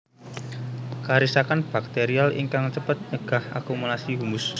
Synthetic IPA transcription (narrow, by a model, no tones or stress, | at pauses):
kaɾisakanb̥ak̚t̪eɾialʔḭŋkaŋt͡ʃəpət̪̚ɲəɡ̥a̤hʔakumulasiɦumʊs